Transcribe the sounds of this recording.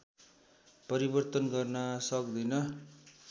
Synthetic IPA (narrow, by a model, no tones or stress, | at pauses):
pʌɾibʌrt̪ʌnɡʌrnʌsʌkd̪ʌnʌ